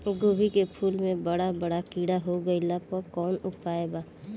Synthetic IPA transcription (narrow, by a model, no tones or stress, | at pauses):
ɡoːbʱikepʰuːlmẽbɐɽabɐɽakiːɽaɦoɡɐilapɔkɔːnʊpaːebaː